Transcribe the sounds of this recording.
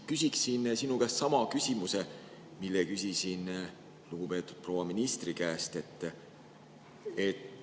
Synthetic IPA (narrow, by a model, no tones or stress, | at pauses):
kysʲiksinsinukæssɑmɑkysʲimuse̞ | milːekysʲisin | luɡ̥upe̞ːt̪ːˑud̪̥̚pro̞wɑminist̪rikæest̪e̞t̪ːˑ | et̪